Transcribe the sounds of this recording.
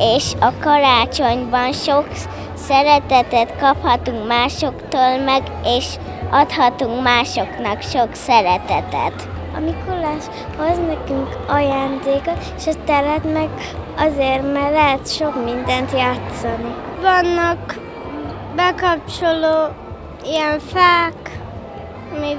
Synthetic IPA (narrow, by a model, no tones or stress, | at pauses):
eːʃɒkɒɾaːt͡ʃo̞ɲbɒnʃok | sɛɾɛt̪ɛt̪ɛt̪kɒphɒt̪uŋkmaːʃo̞kt̪oːlmɛɡ | eːʃ | ɒt̪hɒt̪uŋkmaːʃo̞knɒkʃoksɛɾɛt̪ɛt̪ɛ̰t̪ | ɒ̰mikulːaːʃ | hoznɛkyŋk | ɒjaːnd̪eːkot̪eʃɒt̪ɛlɛt̪mɛɡ | ɒzeːrmɛrlɛɦɛt̪ʃo̞kmind̪ɛnt̪jaːt̪sɒnivɒnːɒk | bɛkɒp̚t͡ʃoloː | iɛɱfaːk | mi